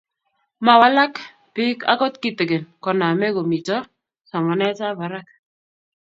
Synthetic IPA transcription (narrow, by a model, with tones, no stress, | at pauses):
ma˨wa˦la˦k | pɪ˦ka̰˦kɔ˦tki˦˨te˨ɡe˨nkɔ˨na˨mɛ˦ɡo˨mi˨t͡ʃɔ˦ | sa˨mɔ˨nɛ˦t͡ʃa˦ba˨ɾa˦k̚